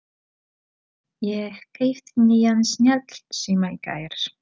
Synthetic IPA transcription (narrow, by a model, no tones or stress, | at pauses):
jɛkejft̪nijansnjɛt̪l̥simaka̰jɾs